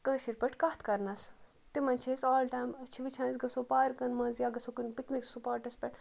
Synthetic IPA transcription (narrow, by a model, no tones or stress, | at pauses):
kɐːsiɾpɐʈʰkɐht̪ʰkɐɾnɐs | t̪imɐnt͡ʃʰesoːlʈaːjmɐt͡ʃʰiʋit͡ʃʰãːnzɡɐsoːpaːɾkɐnmɐːnzjaːɡɐsokunpikniksupaːɾʈɐspʲɐʈʰ